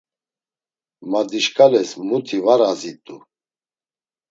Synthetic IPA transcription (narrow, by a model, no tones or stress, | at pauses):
mad̪iʃkʰʼalɛsmut̪ʰivaɾazit̪ʼu